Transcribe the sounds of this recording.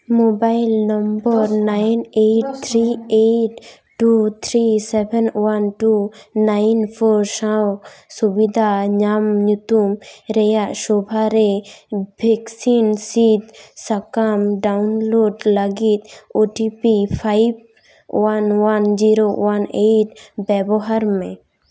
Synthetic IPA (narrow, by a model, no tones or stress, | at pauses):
mobajlnɔmbɔɾnajneʈ̚t̪ʰɾieʈ | ʈut̪ʰɾisɛbʱɛnwanʈunajnpʰɔɾsãwsubid̪ʱaɲamɲut̪umɾɛjaʔsɔbʱaɾɛbʱɛksinsit̪sakamɖaunloɖləɡit̪̚oʈipipʰajb | wanwand͡ʒiɾowanet̚bɛbɔɦaɾmɛ̃